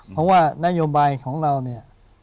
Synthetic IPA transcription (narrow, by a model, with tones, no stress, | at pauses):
pʰɔ˦˥waː˥˩na˧˥˧joː˧baː˧jkʰɔː˩˦ŋɾa˧wni˥˩ɐ